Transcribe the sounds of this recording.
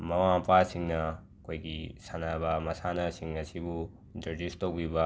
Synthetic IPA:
mɐwãpasiŋna | koikisanabamɐsanasiŋnɐsʰibu | d̪ɐɾd͡ʒist̪okbiba

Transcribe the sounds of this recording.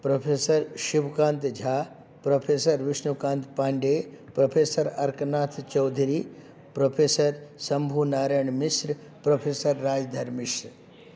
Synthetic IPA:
pɾɐpʰeːsɐɾʃiʋkãːnt̪d͡ʒʱaː | pɾopʰeːsɐɾʋɪʃnukãːnt̪paːɳɖeː | pɾɐpʰeːsɐɾɐɾknaːt̪ʰt͡ʃɐwd̪ʱɾiː | pɾopʰeːsɐɾsɐmbʱuːnaːɾɐjɳmɪsɾ | pɾɐpʰeːsɐɾːaːd͡ʒd̪ʱɐɾmiʃ

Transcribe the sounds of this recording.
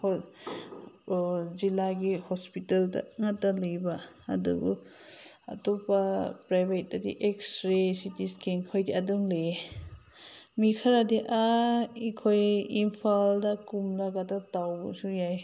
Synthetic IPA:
hɔ | zilaɡihɔspitalda̰ŋatːalɯjba | a̰dṵbṵ | ɐ̰tobapɾajbʱet̚dadḭʔeksɾesitiskiŋkʰɔjdiaduŋle | mikʰaɾadiʔaikʰojimpʰaldakumlaɡadatawbusujaj

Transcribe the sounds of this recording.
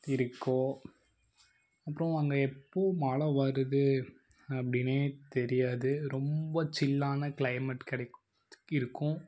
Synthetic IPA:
ɪɾɯkːõː | ɐpːɯɾɔ̃ʋɐŋɡɐɛpːoːmaːɭɐʋɐɾɯðɯ | ɐpːɐɽɪneːt̪ɛɾɪjaːðɯɾɔmbɐt͡ʃɪlːaːnɐkɪɭlɐɪmɐʈkɐɽɐk | ɪɾɯkːʊ̃

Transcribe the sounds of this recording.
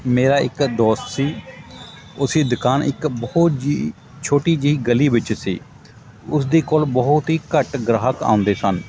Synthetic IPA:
meːɾaːɪ̰kd̪ɔːst̪siː | ʊsiːd̪ʊkaːnɪ̰kbəɦʊt̪d͡ʒi | t͡ʃʰoːʈiːd͡ʒiiːɡəliːʋɪt͡ʃsḭː | ʊsd̪eːkoːlbəɦʊt̪ɦiːkəʈɡɾaːɦəka̰ːʊ̃nd̪eːsən

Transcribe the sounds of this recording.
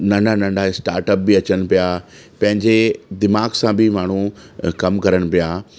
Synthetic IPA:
nɐ̃ɳɖanɐ̃ɳɖaɪsʈaːɾʈəp̚biɐt͡ɕəɽ̃̆pijaː | pɐ̃ɦɪ̃ɲd͡ʑed̪ɪmaːɡsãbɪmaːɳ̤u | kɐmkɐɾəɽ̃̆pijaː

